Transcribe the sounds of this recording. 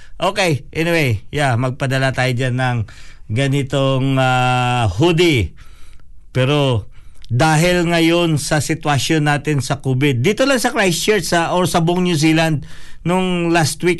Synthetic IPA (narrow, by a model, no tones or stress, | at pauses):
ʔo̞ːkɛjʔɛnɪwejjamɐɡ̚pɐd̪ɐlat̪aːjod͡ʒanːɐŋɡɐnɪt̪oŋahud̪ɪ | pɛːɾo̞d̪aːɦɪlŋɐjo̞nsɐsɪt̪wɐʃjo̞nːaːt̪ɪnsɐkuːbɪd̪̚ːiːt̪olɐŋsɐkɹajst͡ʃɛɹsɐʔoɾsɐboŋnjus̬iːlɐnd̪̚noŋlast̪wik